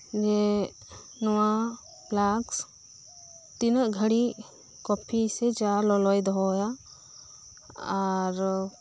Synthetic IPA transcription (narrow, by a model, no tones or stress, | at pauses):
d͡ʒɛ | nɔwa | blaks | t̪inəʔɡʱəɽi | kɔpʰisɛd͡ʒalɔlɔjd̪ɔɦɔja | aɾ